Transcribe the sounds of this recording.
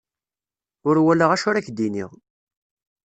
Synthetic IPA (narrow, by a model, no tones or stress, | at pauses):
ʊɾwæləʁæʃʊɾæçd̪inḭʁ